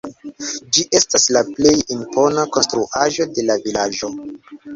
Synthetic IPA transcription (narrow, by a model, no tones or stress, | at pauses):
d͡ʒiʔe̞staslaple̞jimpo̞nako̞nstɾuʔaʒo̞de̞lavilad͡ʒo̞